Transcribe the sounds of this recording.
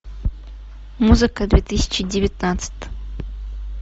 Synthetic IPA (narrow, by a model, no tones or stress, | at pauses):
muzɨkɐd̪vʲet̪ɨsʲɪ̥t͡ʃɪdʲɪvʲɪt̪̚nat̪sɨ̥t̪ʲ